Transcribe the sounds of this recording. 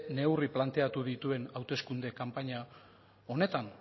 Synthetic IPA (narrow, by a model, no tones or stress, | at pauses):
ne̞wriplant̪e̞at̪uð̞it̪ue̞nawt̪e̞skund̪e̞kampaɲa | o̞ne̞t̪an